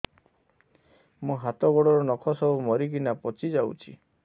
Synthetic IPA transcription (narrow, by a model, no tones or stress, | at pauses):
mũɦat̪ɔɡɔɽɔɾɔnɔkʰɔsɔbumɔɾikinapɔt͡ʃid͡ʒawt͡ʃʰḭ